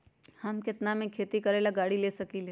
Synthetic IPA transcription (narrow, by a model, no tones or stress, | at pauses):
hɐmkɪt̪namẽkʰeːt̪ikɐɾeːlaɡaːɽileːsɐkileː